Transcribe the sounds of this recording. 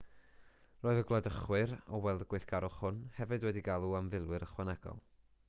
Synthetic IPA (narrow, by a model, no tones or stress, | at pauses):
roːɨðəɡlˠadəχwɨɾɔwɛlˠdəɡwɨθɡ̥aɾɔχhʊnhɛvɨdwɛdiɡalˠuamvɪlˠwɨɾəχwanɛɡ̥ɔ̰lˠ